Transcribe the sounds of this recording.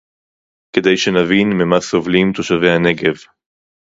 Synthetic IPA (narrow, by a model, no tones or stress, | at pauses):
ke̞d̪ejʃenavinmemasovlimt̪oʃavehane̞ɡev